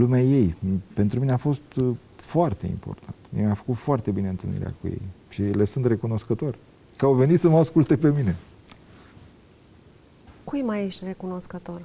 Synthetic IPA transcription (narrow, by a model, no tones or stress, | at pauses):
lumeaje̞jpe̞nt̪ɾumineafo̞st̪ | foart̪e̞̰ḭmpo̞̰rt̪ʰant̪mjḛmʲafə̥kut̪foart̪e̞bineɨnt̪ɨlnḭɾḛa̰kujḛjʃile̞sunt̪re̞kuno̞skət̪orʲ | kəawve̞nit̪səməaskult̪e̞pe̞mine̞ | kujmajeʃt̪ʲre̞kuno̞skət̪o̞r